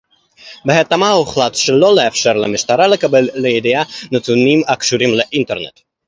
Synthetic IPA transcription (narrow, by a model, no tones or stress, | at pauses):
beɦat̪amauχlat̪ʃelo̞leafʃeɾlemiʃt̪aɾalekabelːeed̪ijanet̪unimakʃuɾimleʔint̪eɾnḛt̪